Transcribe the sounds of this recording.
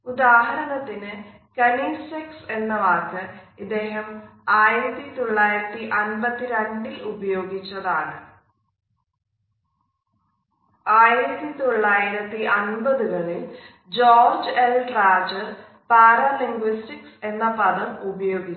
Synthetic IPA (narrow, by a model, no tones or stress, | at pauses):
ud̪aːɦɐɾɐnɐt̪ːinɨ | kɐniːsekse̞nːɐʋaːk̪ːɨɐd̪ːe̞ːɦɐmaːjiɾɐt̪ːit̪o̞ɭːaːjiɾɐt̪ːiʔɐnbɐt̪ːiɾeɳɖilubɐjo̞ːɡit͡ɕːɐðaːɳɨ | aːjiɾɐt̪ːit̪o̞ɭːaːjiɾɐt̪ːiʔɐnbɐðuɣɐɭil | d͡ʑoːrd͡ʑelɖraːd͡ʑɨ | paːrɐːliŋɡʋistikse̞nːɐpɐðɐmubɐjo̞ːɡi